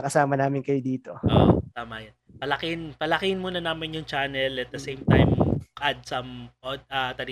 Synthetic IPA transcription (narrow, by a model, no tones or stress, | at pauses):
kɐsaːmɐnaːmɪnkɐjod̪iːt̪o̞o̰t̪aːmɐjɐn | pɐlɐkɪnpɐlɐkɪnmuːnɐnaːmɪnjʊŋt͡ʃanɛlɐt̪̚d̪ɐsejmt̪a̰jmkɐd̪̚sɐmʔod̪̚ɐt̪ɐli